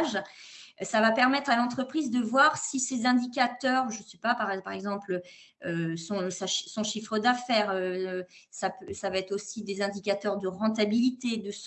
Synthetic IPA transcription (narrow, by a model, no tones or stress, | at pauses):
ʒ | savapɛʁmɛt̪χalɑ̃t̪χəpχizd̪əvwaʁsisezɛ̃d̪ikʲat̪œʁʒəsypapaʁɛpaʁɛɡzɑ̃plø | øsɔ̃saʃsɔ̃ʃifχəd̪afɛːʁø | sapøsavaɛt̪χosid̪ezɛ̃d̪ikʲat̪œʁd̪əʁɑ̃t̪abilit̪ed̪əs